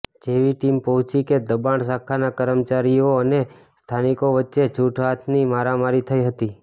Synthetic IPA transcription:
d͡ʒeʋiʈimpəɦʊ̃t͡ʃiked̪əbaɳsakʰanakəɾəmt͡ʃaɾijoəne | st̪ʰanikoʋətːʃet͡ʃʰuʈʰʋat̪ʰnimaɾamaɾit̪ʰəiɦət̪i

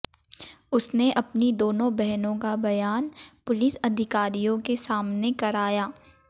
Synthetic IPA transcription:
ʊsneʔɐpnid̪oːnõbɛɦnõkabɐjaːnpʊlɪsɐd̪ʱɪkaːɾijõkesaːmnekɐɾaːjaː

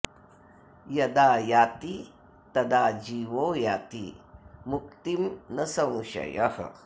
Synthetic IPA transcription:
jɐd̪aːjaːt̪i | t̪ɐd̪aːd͡ʒiːʋoːjaːt̪ḭmuk̚t̪imnɐsɐmʃɐ̰jɐhɐ̰

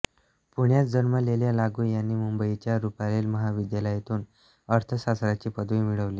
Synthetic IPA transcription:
puɳjat͡sd͡zəɾməleljalaɡuːjanːiːmumbəit͡ɕjaɾupalelməɦaʋid̪jaləjet̪uːn | əɾt̪ʰəsasɾat͡ɕiːpəd̪ʋimiɭəʋliː

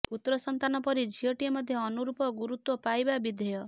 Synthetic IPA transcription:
ut̪ːɾɔsɔnt̪anɔpɔɾid͡ʒʱiɔʈiemɔd̪ʱjɔːnuɾupɔɡuɾut̪wɔpajbabid̪ʱɔjɔ

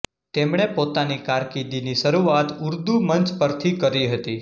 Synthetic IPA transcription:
t̪emɳ̃epot̪anikaɾkid̪iniʃəɾuat̪ʊɾd̪umənt͡ʃpəɾt̪ʰikəɾiɦət̪i

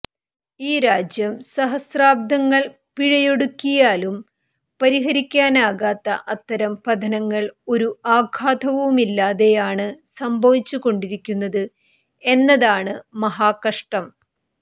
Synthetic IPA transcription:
iːɾaːd͡ʑjɐmsɐɦɐsraːb̚d̪ɐŋːɐɭ | piɻɐjo̞ɽukʲːijaːlum | pɐɾiɦɐɾikʲːaːnaːɣaːt̪ːɐ̰ʔɐt̪ːɐɾɐmpɐd̪ʱɐnɐŋːɐɭo̞ɾuaːɡʱaːd̪ɐʋumilːaːðe̞jaːɳɨsɐmbʱɐʋit͡ɕːuɣo̞ɳɖiɾikʲːunːɐðɨ | e̞nːɐðaːɳɨmɐɦaːkɐʂʈɐm

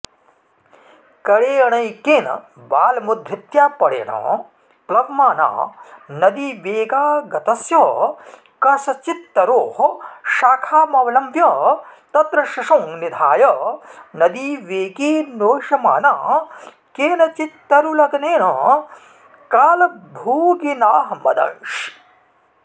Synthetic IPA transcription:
kɐɽeːɐɳɐjkeːnɐ̰ | baːlɐmud̪ʱɾit̪jaːpɐɽḛːɳɐ̰ | plɐʋmaːna̰ːnɐd̪iʋeːɡaːɡɐt̪ɐsjɐ | kɐsɐt͡ʃit̪ːɐɾoːhʃaːkʰaːmɐʋɐlɐmʋjɐt̪ɐt̪ɾɐʃɐʂoŋnid̪ʱaːjɐnɐd̪iʋeːɡiːnoːʃɐma̰ːnaː | keːnɐt͡ʃit̪ːɐɾulɐɡɐneːnɐ | kaːlɐbʱuːɡinaːɦɐmɐ̰d̪ɐ̰ʃ

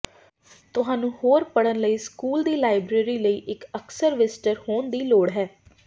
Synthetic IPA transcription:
t̪ʊɦãːnũːhoːɾpəɽənləiːskuːld̪iːlaːɪbɾeːɾiːləiːʔɪkəksəɾʋɪsʈəɾhoːnd̪iːloːɽɦɛː

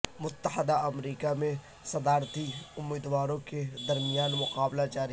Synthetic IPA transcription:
mʊt̪ːəhəd̪aɐmɾiːkamẽ | sɐd̪aːɾt̪iʊmːiːd̪waːɾõked̪ɐɾmɪjaːnmʊqaːblad͡ʒaːɾi

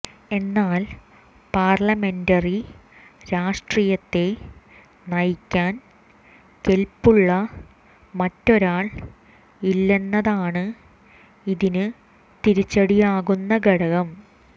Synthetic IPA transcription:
e̞nːaːl | paːrɭɐme̞ndɐri | ɾaːʂʈriːjɐt̪ːe̞ | nɐjkʲːaːn | ke̞lpuɭːɐ | mɐtːo̞ɾaːɭ | ilːe̞nːɐðaːɳɨ | iðinɨ | t̪iɾit͡ɕːɐɽijaːɣunːɐɡɐɽɐɣɐm

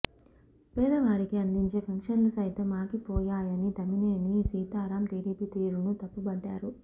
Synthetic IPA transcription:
peːd̪ɐʋaːɽikiɐnd̪iɲt͡ʃe̞ːpʰɐŋkʂɐnlusɐjt̪ɐmaːkipɔːjaːjɐnit̪ɐmineːnisiːt̪aːɾaːmʈeːɾiːpit̪iːɾunut̪ɐpːubɐɖːa̰ːɾu

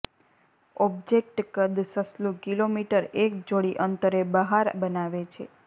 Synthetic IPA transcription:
ɔbd͡ʒek̚ʈkəd̪səslũkilomiʈəɾek̚d͡ʒoɭiʔənt̪əɾebəɦaɾbənaʋet͡ʃʰḛ

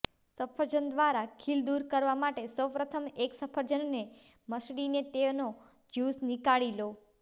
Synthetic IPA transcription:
səpʰəɾd͡ʒənd̪ʋaɾakʰild̪uɾkəɾʋamaʈesəwpɾət̪ʰəmeksəpʰəɾd͡ʒənːe | məsɽinet̪eʋno | d͡ʒusnikaɭilo

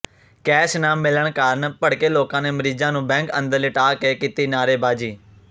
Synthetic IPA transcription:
kɛːʃnãːmɪləɳkaːɾənpəɽkeːloːkãːneːməɾiːd͡ʒãːnũːbɛ̃ːŋkə̰̃nd̪əɾlɪʈaːkeːkiːt̪iːnaːɾeːbaːd͡ʒiː

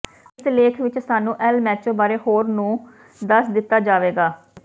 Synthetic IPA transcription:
ɪsleːkʰʋɪt͡ʃsaːnũːʔɛlmɛːt͡ʃõːbaːɾeːhoːɾnũː | d̪əsd̪ɪt̪ːaːd͡ʒaːʋeːɡaː

